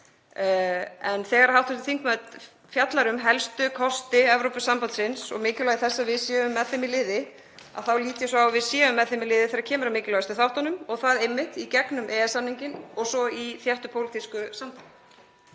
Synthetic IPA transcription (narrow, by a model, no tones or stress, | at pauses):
ɛnθɛːɣaɾḁhawht̪fɛsθiŋkmɛt̪ | fjat̪laɾʏmɦɛlst̪ʏkʰɔst̪ɪɛvɾowpʏsːampant̪sɪnsɔ̰ɣmɪːcɪlaɣɪθɛsːavɪðsjɛːʏmːɛðθɪmilɪːðɪ | a̰ðθawliːt̪jasɔawvɪðsjɛːʏmːɛðθɪmɪlɪːðɪθɛɾacʰɛːmʏɾamɪːcɪlaɣʏst̪ɪθawht̪anʏmɔɣθaðemːɪht̪icɛknʏmʔɛːɛsːamniɲcɪnɔɣsɔiθjɛht̪ʏpʰowlt̪ʰiskʏsampant̪